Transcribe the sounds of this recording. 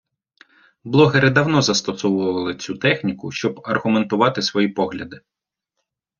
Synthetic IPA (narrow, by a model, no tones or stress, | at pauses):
blˠɔɦeɾɪd̪ɐwnɔzɐst̪ɔsʊʋʊɐʋɐlˠɪt͡sʲut̪ɛxnʲikʊʃt͡ʃɔbɐrɣʊme̞nt̪ʊʋɑt̪ɪsʋɔjipɔɦlʲɐd̪ɪ